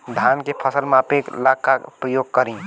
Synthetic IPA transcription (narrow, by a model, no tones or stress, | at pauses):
d̪ʱaːnkepʰəsəlmapeːklaɡkapɾəjoːɡ̚kəɾĩː